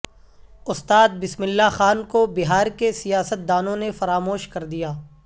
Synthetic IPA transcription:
ʊst̪aːd̪̚bɪsmɪlːaxaːnkobɪɦaːɾkesijaːsət̪̚d̪aːnõnefɐɾaːmoːʃkɐɾd̪ijaː

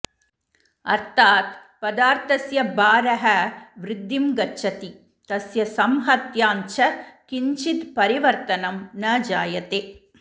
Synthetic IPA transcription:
ɐ̰ɾt̪ʰaːt̪ | pɐd̪aːɾt̪ɐsjɐbaːɾɐɦɐʋɾɪd̪ːimɡɐt͡ʃːɐt̪i | t̪ɐsjɐsɐmɦɐt̪jaːɲt͡ʃɐkiɲt͡ʃit̪pɐɾiʋɐɾt̪ɐnɐmnɐːd͡ʒaːjɐt̪eː

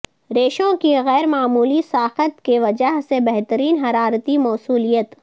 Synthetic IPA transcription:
ɾeːʃõkiɣɛːɾmaːmuːlisaːxət̪keʋɐd͡ʒaɦsebɛɦt̪əɾiːnɦɐɾaːɾt̪imɔːsuːlijət̪

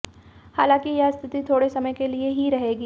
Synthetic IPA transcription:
haːlãːkijɐst̪ʰɪt̪it̪ʰoːɽesɐməjkelieɦiɾɐɦeːɡiː

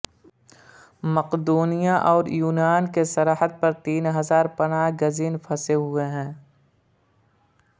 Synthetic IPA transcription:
mɐqd̪uːnijãʔɔːɾjuːnaːnkesɐɾaːhət̪̚pɐɾt̪iːnɦɐzaːɾpɐnaːɡɐziːnpʰɐseɦʊeɦɛ̃ː

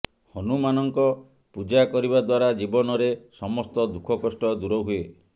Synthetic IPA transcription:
hɔnumanɔŋkɔ | pud͡ʒakɔɾibad̪waɾad͡ʒibɔnɔɾesɔmɔst̪ɔd̪ukʰɔkɔsʈɔd̪uɾɔɦue

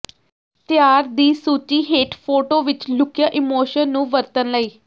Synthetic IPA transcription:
t̪jaːɾd̪iːsuːt͡ʃiːɦeːʈpʰoːʈoːʋɪt͡ʃlʊkjaːʔɪmoːʃənːũːʋəɾt̪ənləiː

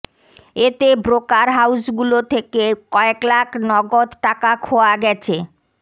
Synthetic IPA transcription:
et̪ebɾokaɾɦawsɡulot̪ʰekekɔeklakʰnɔɡod̪ʈakakʰoaɡɛt͡ɕʰe

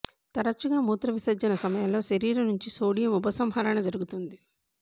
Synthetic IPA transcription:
t̪ɐɾɐt͡ʃːuɡaːmuːt̪ɾɐʋisɐɾd͡ʒɐnɐsɐmɐjɐmlo̞ːʃɐɾiːɾɐnuɲt͡ʃisoːɽijɐmubɐsɐmɦɐɾɐɳɐd͡ʒɐɾuɡut̪und̪i

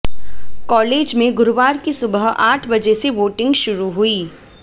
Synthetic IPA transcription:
kɔːleːd͡ʒmẽɡʊɾʋaːɾkisʊbəɦaːʈʰbɐd͡ʒeseʋoːʈɪ̃ŋɡʃʊɾuɦuiː

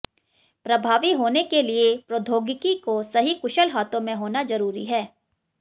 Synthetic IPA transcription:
pɾɐbʱaːʋiɦoːnekeliepɾod̪ʱoːɡɪkikosɐɦikʊʃəlɦaːt̪õmẽɦoːnazɐɾuːɾḭɦɛː

